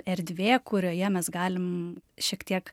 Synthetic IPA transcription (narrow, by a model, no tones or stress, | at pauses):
ɛɾʲd̪ʲʋʲeːkʊɾʲoːjɛmʲɛsɡɑːlʲɪmʃʲiɛkt̪ʲiɛk